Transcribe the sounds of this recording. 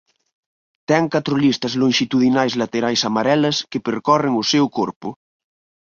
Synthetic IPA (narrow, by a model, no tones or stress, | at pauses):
t̪ɛŋkat̪ɾolist̪ɐzlõŋʃit̪uðinajzlat̪eɾajsamaɾɛlɐskepeɾkɔreŋosɛwkoɾpʊ